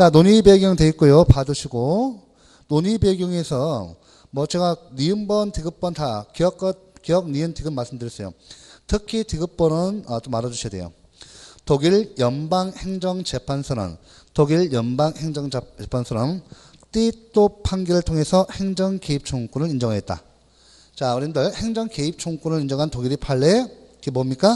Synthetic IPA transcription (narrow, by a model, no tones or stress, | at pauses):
t͡ɕanoɲibe̞ɡjʌŋtwe̞it̚k͈ojopadɯɕʰiɡo | noɲibe̞ɡjʌŋe̞sʰʌ | mʌt͡ɕeɡaniɯmbʌntiɡɯp̚p͈ʌntakijʌk͈ʌkiʌk̚niɯntiɡɯmːaɭs͈ɯmdɯɾjis͈ʌjo̰tʰɯkʰitiɡɯp͈ʌnɯnʌt͈omaɾad͡ʑuɕʰiade̞jo̰ | toɡiɭjʌnbaŋhe̞ŋd͡ʑʌŋt͡ɕepʰansʰɯɾʌ̰n | toɡiɭjʌnbaŋheŋd͡ʑʌŋt͡ɕepʰansʰʌɾʌm | t͈it͈opʰaŋɡiɾɯɭtʰoŋɦe̞sʰʌhe̞ŋd͡ʑʌŋke̞ip̚t͡ɕʰoŋk͈unɯɾind͡ʑʌŋɦaet̚t͈a̰ | t͡ɕauɾindɯɭhe̞ŋd͡ʑʌŋke̞ip̚t͡ɕʰoŋk͈unɯɭind͡ʑʌŋɦantoɡiɾipʰaɭːekibomɲik͈a